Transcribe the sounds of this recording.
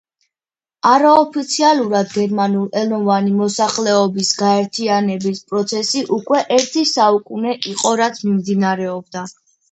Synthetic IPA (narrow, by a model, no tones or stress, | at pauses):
aɾaɔpʰit̪sʰialˠuɾad̪ɡɛɾmanulˠɛlˠmɔvanimɔsaχlɛɔbisɡaɛɾt̪ʰianɛbispʼɾɔt̪sʰɛsiʔukʼwɛʔɛɾt̪ʰisaukʼunɛʔiqʼɔɾat̪sʰmimd̪inaɾɛɔbd̪a